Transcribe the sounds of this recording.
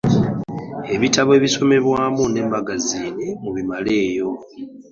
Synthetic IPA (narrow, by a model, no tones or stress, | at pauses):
e̞βitaβe̞ːβiso̞me̞βwaːmune̞ːmbaɡaziːnemuβimale̞ːjo̞